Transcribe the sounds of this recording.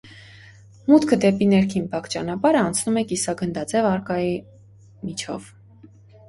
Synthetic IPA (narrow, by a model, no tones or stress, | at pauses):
mut̪kʰəd̪ɛpinɛɾkʰinbɑkt͡ʃɑnɑpɑɾəɑnt͡sʰnumɛkisɑɡənd̪ɑt͡sɛvɑɾkɑji | mit͡ʃʰɔ̰v